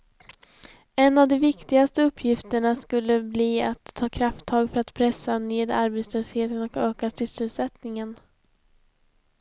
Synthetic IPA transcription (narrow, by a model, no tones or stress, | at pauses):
ɛnːavd̪ɔmvɪkt̪ɪɡast̪əɵpʰːjɪft̪əɳaskɵlːəbliːa̰t̪ʰːɑːkʰɾaft̪ʰːɑːɡfœɾat̪pʰɾɛsːaneːd̪aɾbet̪sløːsheːt̪ənɔkøːkasʏsːəlsɛt̪nɪŋən